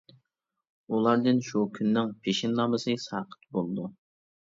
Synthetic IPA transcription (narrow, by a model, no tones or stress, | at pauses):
ulˠɑɾd̪ɨnʃukʲʰynːɪŋpʰeʃɪnlɑməsɨsɑːqʰə̥t̪̚bolˠɨd̪u